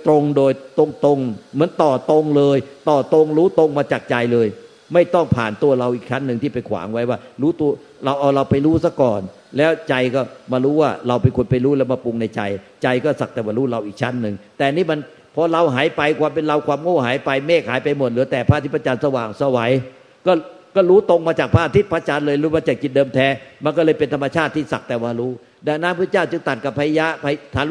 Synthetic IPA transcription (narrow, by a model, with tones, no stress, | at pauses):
t̪ɾo˧ŋdoː˧jt̪o˧ŋt̪o˧ŋmɯ˩˦ənt̪ɔː˨˩t̪o˧ŋlɤː˧jt̪ɔː˨˩t̪o˧ŋɾuː˦˥t̪o˧ŋmaː˧t͡ɕaː˨˩k̚t͡ɕa˧jlɤː˧j | ma˥˩jt̪ɔ˥˩ŋpʰaː˨˩nt̪u˧ɐɾa˧wʔiː˨˩k̚t͡ɕʰa˦˥nːɯ˧ŋt̪ʰiː˥˩pa˧jkʰwa̰ː˩˦ŋwa˦˥jwaː˥˩ɾuː˦˥t̪u˧ɐ | ɾa˧wʔa˧wɾa˧wpa˧jɾuː˦˥sa˧˥˩kɔː˨˩n | lɛː˦˥wt͡ɕa˧jkɔː˥˩maː˧ɾuː˦˥waː˥˩ɾa˧wpe˧nkʰo˧npa˧jɾuː˦˥lɛː˦˥wmaː˧pu˧ŋna˧jt͡ɕa˧j | t͡ɕa˧jkɔː˥˩sa˨˩k̚t̪ɛː˨˩maː˧˩ɾuː˦˥ɾa˧wʔiː˨˩k̚t͡ɕʰa˦˥nːɯ˨˩ŋt̪ɛː˨˩˨niː˦˥˩ma˧n | pʰɔ˧ɾa˧wɦaː˩˦jpa˧jkʰwaː˧mpe˧nla˧wkʰwaː˧mŋoː˥˩ɦaː˩˦jpa˧jmeː˥˩k̚haː˩˦jpa˧jmo˨˩t̪̚lɯː˩˦ət̪ɛː˨˩pʰaː˥˨t̪i˦˥˩pʰa˧˥t͡ɕaː˧nsa˧waː˨˩ŋsa˧wa˨˩˦j | kɔː˥˩ | kɔː˥˩ɾuː˦˥t̪o˧ŋmaː˧t͡ɕaː˨˩k̚pʰaː˥˩a˧t̪ʰi˥t̪̚pʰaː˦˧˥t͡ɕa˧nlɤː˧jlɯː˨˩˦maː˧t͡ɕaː˨˩k̚ki˨˩t̪̚dɤː˧mt̪ʰɛː˨˦˥ma˧nkɔ˥˩lɤː˧jpe˧nt̪ʰa˧mːa˧t͡ɕʰaː˥˩t̪ʰːiː˥˩sa˨˩k̚t̪ɛː˨˩wmaː˧ɾuː˦˥ | daː˧˩naː˦˥mpʰɯː˥˩˨t͡ɕaː˥˩wt͡ɕɯ˧ŋt̪a˨˩t̪̚ka˨˩pʰːaː˧jja˦˥ʔpʰa˧t̪ʰaː˨˦